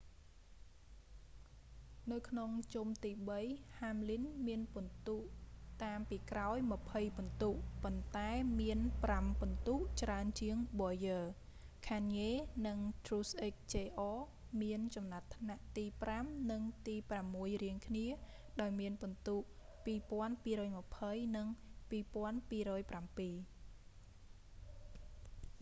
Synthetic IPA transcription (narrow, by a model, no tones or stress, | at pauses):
nɨwkʰnoŋt͡ɕumt̪iːɓəjhaːmlinmiənpŭənt̪uːʔt̪aːmpiːkraɔjmə̆pʰəjpŏnt̪uːʔpont̪aɛmiənprampŏnt̪uːʔt͡ɕraənt͡ɕiəŋɓoːjəː | kʰaːnjeːnɨŋt̪ruːsʔeːk̚t͡ɕeːʔɔː | miənt͡ɕɑmnat̪ʰːnaʔt̪iːpramnɨŋt̪iːpramːuəjriəŋkʰniə | ɗaɔjmiənpont̪uːʔ | piːpŏənpiːɾɔːjmə̆pʰəjnɨŋpiːpŏənpiːɾɔːjprampiː